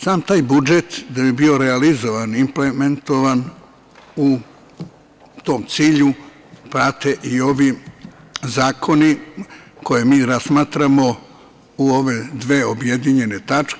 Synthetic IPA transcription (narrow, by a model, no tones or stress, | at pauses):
saːmt̪aːjbud͡ʒet̪d̪abibio̞ɾealizo̞ʋanimplement̪o̞ʋan | u | t̪o̞ːmt̪siːʎu | pɾat̪e̞ʔio̞ʋi | zaːkʰo̞niko̞jemiːɾasmaːt̪ɾamo̞ | uo̞ʋe̞d̪ʋe̞ːobje̞d̪iɲe̞ne̞t̪at͡ʃke